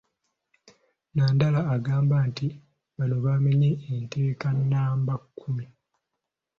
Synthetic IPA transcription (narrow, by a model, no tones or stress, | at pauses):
naːndalaːɡaːmbanti | βano̞βameɲeːnte̞ːkanːaːmbakʰːumi